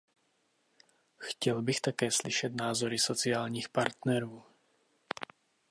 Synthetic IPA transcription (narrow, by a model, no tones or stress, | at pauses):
xcɛlbixt̪akɛːsliʃɛd̪naːzɔɾisɔt͡siaːlɲiːxpaɾt̪nɛɾɔː